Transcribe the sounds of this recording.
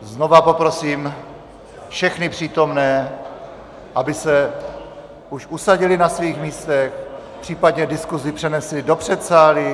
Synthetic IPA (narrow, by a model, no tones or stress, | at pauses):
zno̞vapo̞pɾo̞siːm | fʃɛxnɪpr̝̥iːt̪o̞mnɛː | ʔabɪsɛ | uʃʔusaɟɪlɪnasviːxmiːst̪ɛxpr̝̥iːpadɲɛdɪskuzɪpr̥ɛnɛslɪdo̞pr̝̥ɛt̪saːlɪ